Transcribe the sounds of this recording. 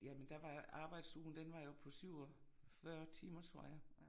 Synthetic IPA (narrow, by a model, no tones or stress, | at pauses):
jæmend̥æʋɑ̈ɑ̈ːb̥ɑ̈ɪ̰d̥suːn̩d̥enʋɑ̈jo̝pʰɒ̽syʊ̰ɒ | fɶɐt͡sʰiːmɐt͡sʰʁo̝ɐ̰jɑ̈